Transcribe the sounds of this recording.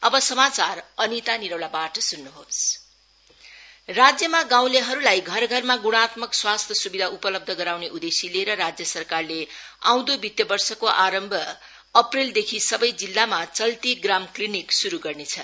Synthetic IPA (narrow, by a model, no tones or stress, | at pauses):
ʌbʌsʌmat͡sarʌnit̪aniɾʌwlabaʈʌsunːuɦos | rad͡zjʌmaɡãw̃leɦʌɾulajɡʱʌɾɡʱʌrmaɡuɽ̃at̪mʌkswast̪ʰjʌsubid̪ʱaupʌlʌb̚d̪ʱʌɡʌɾawneʔud̪esileɾʌɾad͡zjʌsʌrkarleã̰w̃d̪obit̪jʌbʌrsʌkoʔaɾʌmbʱʌː | prild̪ekʰisʌbʌjd͡zilːamat͡sʌlt̪iɡramkliniksuɾuɡʌrnet͡sʰʌ